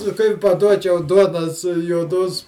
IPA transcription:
kɐɪ pɐˈduɔt͡ʃʲɛʊ ˈduɔnoːs juɔˈdoːs

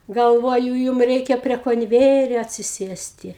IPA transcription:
ɡɐlˠˈʋoːjʊ ˈjuːm ˈrʲɛɪkʲɛ pʲrʲiɛ koːnʲˈʋʲæːjɛrʲoː ɐtʲsʲɪˈsʲeːsʲtʲɪ

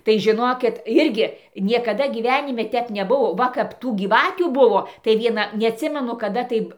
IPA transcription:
tɐɪ ʒʲɪˈnoːkʲɪt ˈɪrʲɡʲɪ nʲiɛkɐˈdɐ ɡʲiːˈʋʲæːnʲɪmʲɛ ˈtʲɛp nʲɛˈbuɔ ˈʋɐ kɐp ˈtuː ɡʲiːˈʋɑːtʲuː ˈbʊʋoː tɐɪ ˈʋʲiɛnɐ nʲɛɐtʲˈsʲɪmʲɛnʊ kɐˈdɐ tɐɪp

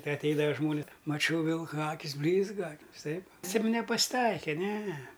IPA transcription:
tʲɪ ɐtʲˈɛɪdɐʋɐ ˈʒmoːnʲɪs mɐˈt͡ʃʲɛʊ ˈʋʲɪlˠkɐ ˈɑːkʲɪs ˈbʲlʲiːzɡɐ ʋʲɪˈsɐɪp sʲiɛm nʲɛpɐsʲˈtɐɪkʲɛ ˈnʲɛ

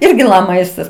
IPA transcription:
ˈɪrʲɡʲɪ lˠɐ ˈmɐɪstɐs

